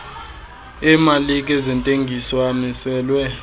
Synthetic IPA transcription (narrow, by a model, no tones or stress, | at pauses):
ɛmalik̬ʼɛzɛntʼeŋɡʱisɔamisɛːlwɛ